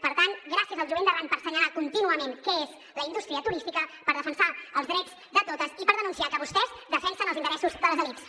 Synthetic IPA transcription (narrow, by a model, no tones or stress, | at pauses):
pəɾt̪anɡɾasiəzəlˠʒuβend̪əβanpəɾsəɲəlakunt̪inuəmenkɛez | ləind̪ust̪ɾiət̪uɾist̪ikəpəɾð̞əfənsaəlˠzðɾɛd͡z | d̪ət̪ot̪əzipəɾðənunsiakəβust̪ɛzd̪əfɛnsənəlˠzint̪əɾɛsuzd̪əlˠzəliks